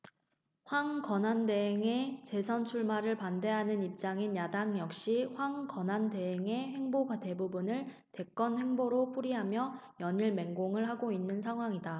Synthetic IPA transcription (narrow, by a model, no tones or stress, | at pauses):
ɸwaŋkʌnande̞ɦeŋe̞t͡ɕe̞sʰʌnt͡ɕʰuɭmaɾɯɭpande̞ɦanɯnip̚t͡ɕ͈aŋinjadaŋjʌk̚ɕ͈iɸwaŋkʌnande̞ɦeŋe̞he̞ŋboɡwate̞bubunɯɭ | te̞k͈ʌnhe̞ŋboɾopʰuɾiɦamjʌjʌɲiɭme̞ŋɡoŋɯɭɦaɡoinːɯnsʰaŋɦwaŋida